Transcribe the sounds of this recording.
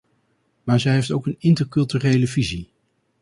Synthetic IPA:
maːɹzɛjɦejftowkənɪntəɹkɵlˠtyrejləvizi

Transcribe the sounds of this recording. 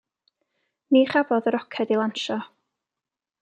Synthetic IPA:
niːχavɔðəɾɔkʰɛdilˠanʃɔ

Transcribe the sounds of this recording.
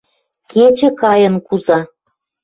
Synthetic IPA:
kʰet͡ɕə̆kɑjə̆nkuzɑ

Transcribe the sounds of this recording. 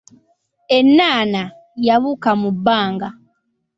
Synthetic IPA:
e̞nːaːna | jaβukamubːaːŋɡa

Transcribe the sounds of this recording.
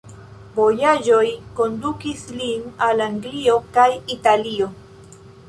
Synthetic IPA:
vo̞jaʒo̞jko̞ndukislinalaŋɡlio̞kajitalio̞

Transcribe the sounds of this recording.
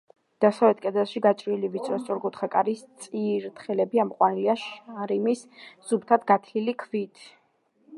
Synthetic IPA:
d̪̥asavlɛt̪̚ʰkʼɛd̪ɛlˠʃiɡat͡ʃʼɾilivit̪sʰʼɾɔst̪sʼɔɾɡut̪ʰχakʼaɾist̪sʼiɾt̪ʰχɛlɛbiamqʼwaniliaʃaɾimisz̥ub̚t̪ʰad̪ɡat̪ʰlilikʰvit̪ʰ

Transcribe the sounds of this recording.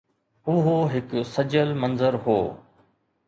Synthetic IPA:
ʊɦoɦɪksɐd͡ʑəlmɐnzəɾɦoː

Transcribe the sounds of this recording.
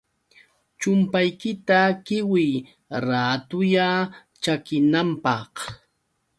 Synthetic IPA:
t͡ʃʊmpajkɪt̪akɪwɪj | ɾaːt̪ʊja | t͡ʃakɪnampɑχ

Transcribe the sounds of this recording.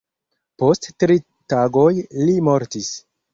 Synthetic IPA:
po̞stːɾi | taɡojlimo̞ɾtis

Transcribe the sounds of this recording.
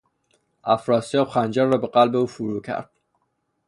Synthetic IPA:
æfɾɒːsijɒːbxænd͡ʒæɾːɒːbeɢælbeuːfuɾuːkʰæ̰ɾd̪̥

